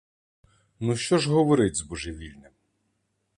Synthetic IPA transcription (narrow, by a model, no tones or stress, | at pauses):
nuʃt͡ʃɔʒɦɔʋɔɾɪtʲzbɔʒeʋʲilʲnɪm